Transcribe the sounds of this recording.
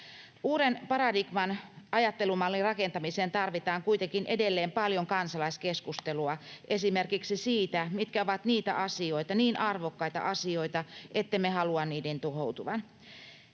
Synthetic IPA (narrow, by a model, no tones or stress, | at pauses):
uːɾenpɑɾɑdiɡmɑnɑjɑt̪ːelumɑlːirɑkent̪ɑmiseːnt̪ɑrʋit̪ɑːŋkuit̪eŋkinʔedelːeːmpɑljoŋkɑnsɑlɑiskeskust̪eluɑʔesimerkiksisiːt̪æmit̪kæoʋɑt̪niːt̪æ̰ʔɑsioit̪ɑniːnʔɑrʋokːɑit̪ɑ̰ʔɑsio̞it̪ɑʔet̪ːemehɑluɑnniːdent̪uɦowt̪uʋɑn